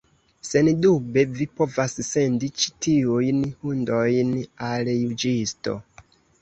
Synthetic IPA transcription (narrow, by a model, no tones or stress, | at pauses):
sendubevipo̞vassendit͡ʃi̥tiujnhundojnaljud͡ʒisto̰